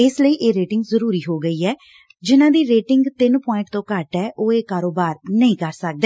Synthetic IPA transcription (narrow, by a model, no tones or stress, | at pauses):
ɪsləiːʔeːɾeːʈɪ̃ŋɡzəɾuːɾiːɦoːɡəiːɛː | d͡ʒɪnãːd̪iːɾeːʈɪŋɡt̪ɪnpɔ̃ːɪ̃ɳʈt̪õːkəʈɛːʔoːeːkaːɾoːbaːɾnəĩːkəɾsək̚d̪eː